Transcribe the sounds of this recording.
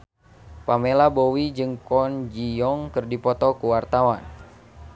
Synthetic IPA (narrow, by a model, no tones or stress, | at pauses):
pamelabowid͡ʒɨŋkɔnd͡ʒijɔŋkɨrdipɔt̪ɔkuwart̪awan